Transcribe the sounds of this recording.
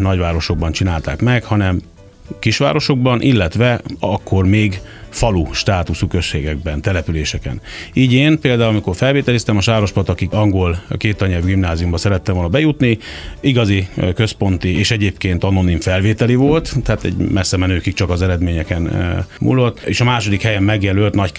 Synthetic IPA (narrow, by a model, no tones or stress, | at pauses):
nɒɟvaːɾo̞ʃo̞ɡ̚bɒnt͡ʃinaːlt̪a̰ːkmɛkhɒnɛm | kiʃʋa̰ːɾo̞ʃo̞ɡbɒnʔilːɛt̪ʋɛɒkːo̞rmeːɡfɒluʃt̪aːt̪usukøʃːeːɡɛɡ̚bɛnt̪ɛlɛpyleːʃɛkɛ̰niːɟeːnpeːld̪aːulɒmiko̞rfɛlveːt̪ɛlist̪ɛmɒʃaːɾo̞ʃpɒt̪ɒkikɒŋɡo̞lkeːt̪ɒɲɛvɡimnaːzijumbɒsɛɾɛt̪ːɛoːlnɒbɛjut̪niiɡɒzikø̞spo̞nt̪ieːʃɛɟeːpkeːnt̪ɒno̞niɱfɛlveːt̪ɛlivo̞lt̪t̪ːɛaːt̪ɛ̰ɟmɛsːɛmɛnøːkik̚t͡ʃɒkɒzɛɾɛd̪meːɲɛkɛnmṵlːot̪ːḛːʃɒmaːʃo̞d̪ikhɛjɛmːɛɡjɛløːlt̪nɒc